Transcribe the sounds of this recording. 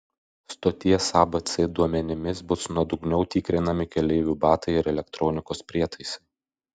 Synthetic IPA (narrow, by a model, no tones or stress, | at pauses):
st̪oːt̪ʲiɛsɑːbɐt̪sʲɛd̪uɔmʲɛnʲɪmʲɪsbʊsnuɔd̪ʊɡnʲɛʊt̪ʲiːkɾʲɪnɐmʲɪkʲɛlʲɛɪʋʲuːbɑːt̪ɐɪɪɾɛlʲɛkt̪ɾɔːnʲɪkoːspʲɾʲiɛt̪ɐɪsɐɪ